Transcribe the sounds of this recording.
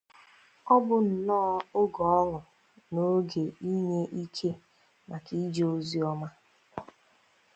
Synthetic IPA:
ɔ˦bʊ˦n̩˨nɔː˦ʊ˦ɡɔ˨ɔ˦ŋʊ˨ | no˦ɡe˨i˦ɲe˦ʔi˦kʰe˦ | na˨ki˦d͡ʒe˦o˦zi˦ɔ˦ma˦

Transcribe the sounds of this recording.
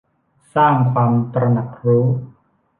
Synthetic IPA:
saː˥˩ŋkʰa˧mt̪ɾa˧na˨˩k̚ɾuː˦˥

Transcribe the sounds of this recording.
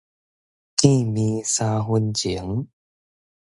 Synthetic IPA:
ki˥˨mi˧saː˧ɦu˧nt͡ɕi˨˩˦ə˦ŋ

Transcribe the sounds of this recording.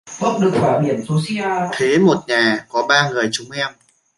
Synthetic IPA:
ko˦˥p̚ɗɨ˨˩k̚faː˧˩ɗi˧˩ənsu˧˦si˧˥ʔaː˧t̪ʰe˨˦mo˨˩t̚ɲaː˨˩kɔ˨˦ɓaː˧ŋɨ˨˩əjt͡ɕʊ˨˦ŋ͡mʔɛ˧m

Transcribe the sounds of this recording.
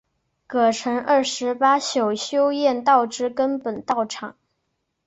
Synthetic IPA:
kɤ˨˩ʈ͡ʂʰɤ˧˥ŋʔə˞˥˩ʂɻ̩˧˥pa˥ɕjo˨˩ʊɕjo˥ʊjɛ˥˧nt̪ɑ˥˩ʊʈ͡ʂɻ̩˥kə˥npə˨˩nt̪ɑ˥˩ʊʈ͡ʂʰɑ˨˩˦ŋ

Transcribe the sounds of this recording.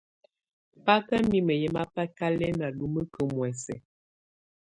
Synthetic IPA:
pa˦kə˦mi˦mə˨jɛ˦ma˦pa˦ka˦lɛ˦na˨lu˦mə˦kə˨mwɛ˨sɛ˨

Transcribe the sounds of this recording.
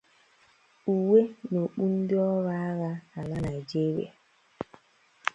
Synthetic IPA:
ʔu˨we˦no˨ɓu˦n˦dɔ˦wa˦ɣa˦a˨la˦na˨d͡ʒe˦wḛ˨

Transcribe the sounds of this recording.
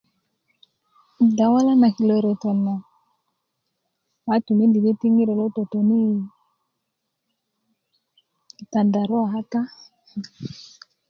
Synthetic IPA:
da˨wa˦la˦na˨ki˨lɔ˨ɾɔ˨tɔ˨na˨ | ma˨˦tu˨me˦nldi˨be˦ti˦ŋi˦ɾe˨lo˦to˨to˨ni˦˨ | ta˨nda˨ɾɔ˦a˨ɦa˦ta˦˨

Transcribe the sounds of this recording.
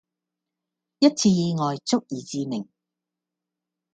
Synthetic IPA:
jɐ˥t̚t͡sʰiː˧jiː˧ŋɔː˨jt͡sʊ˥k̚jiː˨t͡siː˧mɪ˨˩ŋ

